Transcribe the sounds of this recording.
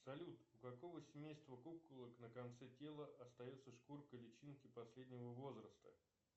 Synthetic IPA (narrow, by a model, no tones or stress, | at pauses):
sɐlʲut̪ʊkɐko̞vəsʲɪmʲejst̪vəkukʊlˠəknəkɐnt̪sɛtʲe̞lˠəʔɐst̪ɐjot̪sːəʂkurkəlʲɪt͡ɕinkʲɪpɐsʲlʲedʲnʲɪvəvo̞zɾəst̪ə